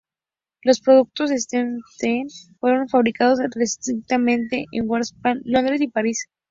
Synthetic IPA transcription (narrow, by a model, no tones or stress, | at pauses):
lo̞spɾo̞ðuk̚t̪o̞sest̪ent̪enfwe̞ɾo̞nfaβ̞ɾikað̞o̞srest̪ɾik̚t̪amẽ̞nt̪e̞ʔeŋɡwaɾspanlo̞nd̪ɾe̞sipaɾis